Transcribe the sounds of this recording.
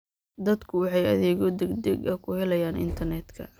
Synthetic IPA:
d̪ɐd̪kʰʊwɑħɑjɐ̰ðɛːɣɔd̪ɛɡd̪ɛɡɐkʰʊhɛlɐjaːnʔɪ̰nt̪ʰɐrnɛːd̪kʰɐ̰

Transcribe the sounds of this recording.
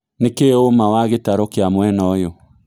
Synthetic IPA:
nekeomawaɣetaɾokeamwɛnɔjo

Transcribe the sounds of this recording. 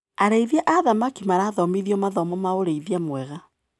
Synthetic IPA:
aɾeiðjaʔaðamakimaɾaːðɔmiðiɔmaðɔmɔmaoɾeiðiamwɛɣa

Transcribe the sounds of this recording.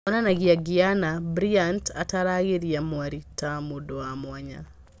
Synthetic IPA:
ɔnanaɣiaɡianabɾiantataɾaɣeɾiamwaɾitamudoamwaɲa̰

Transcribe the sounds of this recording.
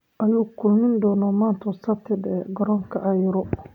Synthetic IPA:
ʔɐjuːkʰʊlmɪnd̪ɔːnɔmaːnt̪ʰɐsɐt̪ʰɪd̪ɛ̰ɡɔɾɔːŋkʰɐʔɑjɾɔ

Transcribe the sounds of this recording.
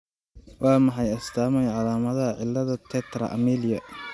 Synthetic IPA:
wʔɑːmɑħɑjɐst̪ʰaːmɛjʕɑlaːmɐðɐɦɐʕɪlːɐðɐt̪ʰɛt̪ʰɾɐ̰ʔɐ̰miːlɪjɐ

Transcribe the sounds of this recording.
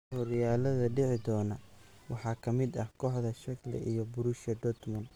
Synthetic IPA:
hɔɾɪjaːlɐðɐɖɛʕɪd̪ɔːnɐwɑħɑːkʰɐmɪd̪ɐhkʰɔːħðɐʃɐklɛ̰ʔijɔbʊɾʊʃɐd̪ɔt̪mɐn

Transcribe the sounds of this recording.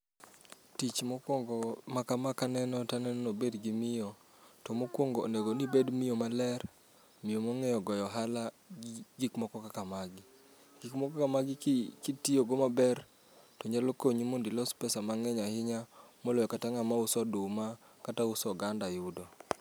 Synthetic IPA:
tit͡ʃmɔkwɔŋɡɔmakamakanɛnɔtanɛnɔnobedɡimɪjɔ | tɔmokwoŋɡɔo̰neɡonibedmɪjomalɛr | mɪomɔŋɛjɔɡɔjɔɦala | ɡikmɔkɔkakamaɡɪ | ɡ̥ikmɔkɔkamaɡɪkkitijoɡomabɛr | tɔɲalokoɲimondilɔspɛsamaŋɛɲahɪɲamolojɔkataŋamaʊsɔdʊma | kataʊsɔɡandajudo

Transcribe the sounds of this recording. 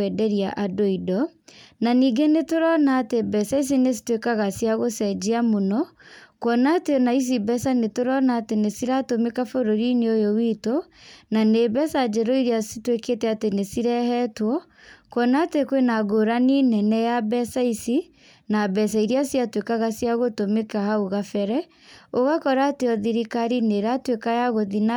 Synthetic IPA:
ɛdɛɾiaʔadoidɔnaniːɡenetoɾɔnaːtebɛsais̬ines̬i̥twekaɣasjaɣosɛd͡ʒiamonɔkwɔnatenais̬ibɛsanetoɾɔnaːtenesiɾatomekafoɾoɾineojowitonanebɛsad͡ʒɛɾɔiɾiasitweketɛatenesiɾɛhɛtwɔ | kwɔnatekwenaɣoɾaninɛnɛjabɛsaisi | nabɛs̬aiɾiasiatwekaɣasiaɣotomekahaoɣafɛɾɛ | oɣakɔɾaːteɔðiɾikaɾineɾatwekajaɣoðina

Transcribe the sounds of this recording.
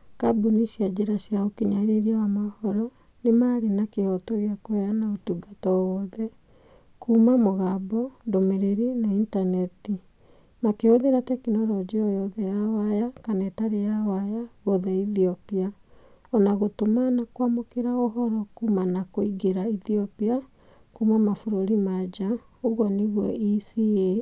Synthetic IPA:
kabuniʃiad͡ʒeɾaʃjaokiɲaɾeɾiawamahɔɾɔ | nemaːɾenakehɔtɔɣeakoanaotuɡatɔwɔðɛ | kumamoɣabɔndomeɾeɾinaintanɛti | makeoðeɾatɛkinɔɾɔd͡ʑeɔjɔðɛjawajakanɛtaɾejawajaɣoðɛiðiɔpia | ɔnaɣotomanakwamokeɾaoɦɔɾɔkuːmanakoiɡeɾaiθiɔpia | kuːmamafoɾoɾimad͡ʒa | oɣwɔneɣwɔisie

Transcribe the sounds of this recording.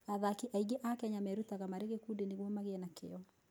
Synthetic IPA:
aðakiʔaiɣeʔakɛaɲamɛɾutaɣamaɾeɣekudeneɣwɔmaɣeɛnakḛɔ

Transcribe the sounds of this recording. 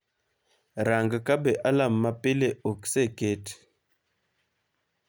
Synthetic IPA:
ɾaŋɡəkabeʔalamːapileokseket

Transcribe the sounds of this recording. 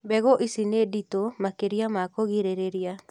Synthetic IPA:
bɛɣoʔisineditomakeɾiamakoɣiɾeɾeɾia

